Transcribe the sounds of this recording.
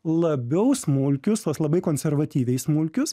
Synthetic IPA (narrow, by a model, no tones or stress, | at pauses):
lˠɐbʲɛʊsmʊlʲkʲʊst̪uɔslˠɐbɐɪkoːnʲsʲɛɾʋɐt̪ʲiːʋʲɛɪssmʊlʲkʲʊs